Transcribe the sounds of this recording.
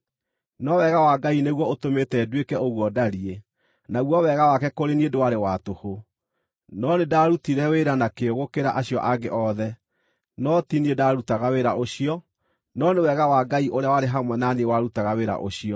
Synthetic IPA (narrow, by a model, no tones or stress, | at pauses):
nɔwɛɣawaɡaineɣwɔotometɛːdwekɛoɣwɔdaɾie | naɣwɔwɛɣawakɛkoɾeniedowaɾewatoho | nɔnedaɾutiɾɛweɾanakeoɣokeɾa̰ʔaɕjɔʔaɡeʔɔðɛ | nɔtiniedaɾutaɣaweɾaʔoɕiɔ | nɔnewɛɣawaɡaiʔoɾeawaɾeɦamwɛnaniewaɾutaɣaweɾa̰ʔoɕiɔ